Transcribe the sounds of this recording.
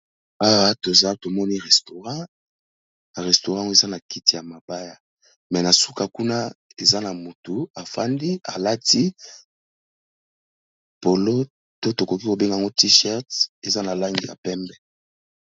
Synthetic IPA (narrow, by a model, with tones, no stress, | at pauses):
a˦wa˦to˨za˦to˨mɔ˦ni˦ʁɛ˨sto˨ʁã˦˨ | ʁɛ˨sto˨ʁã˦ŋɡo˦e˨za˦na˨ki˦ti˨ja˨ma˨ba˦ja˨ | mɛ˨na˨su˦ka˨ku˦na˦e˨za˦na˨mo˨tu˨a˨fa˦ndi˦a̰˨la˦ti˦ | po˨lo˦ | to˦to˨ko˨ki˦ko˨be˦ŋɡa˨ŋɡo˦ti˦ʃɛ˦ʁte˨za˦na˨la˦ŋɡi˨ja̰˨pɛ˦mbɛ˨